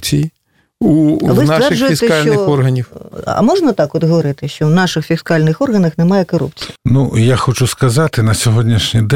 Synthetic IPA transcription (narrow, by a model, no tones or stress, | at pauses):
t͡sʲiji | uʋɨsnaɛrd͡ʒʊjɛisɛkalʲnɔɪɔrɦɐnʲiwɐ̰mɔʐnɐt̪akɔd̪ɣɐʋɐɾɨt̪ɪʃt͡ʃɔwnaʂɨxfʲiskalʲnɪxɔrɣɐnɐxnɛmajɛkɐɾṵpt͡sʲi̥jnujaxɔt͡ʃuskɐzat̪ɪnɐsʲɔɦɔdʲnʲiʂnʲid̪